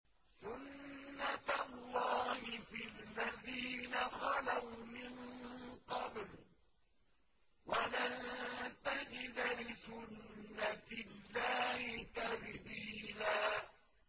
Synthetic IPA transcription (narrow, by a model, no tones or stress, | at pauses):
sʊnːat̪alːɑːhɪfɪlːaðiːnaxɑlawmɪnqɑbl | walant̪ad͡ʒɪd̪alɪsʊnːatɪlːaːhɪt̪abðiːlaː